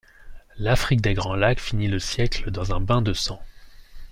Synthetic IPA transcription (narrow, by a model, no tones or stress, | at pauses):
lafχik̚d̪eɡʁɑ̃lakfiniləsjɛkləd̪ɑ̃zɛ̃bɛ̃d̪əsɑ̃